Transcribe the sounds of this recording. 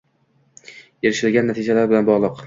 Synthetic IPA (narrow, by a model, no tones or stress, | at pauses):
eɾɪʃɪlɡʲanːat̪ʰɪd͡ʒalaɾbɪlanbɒʁlˠɨq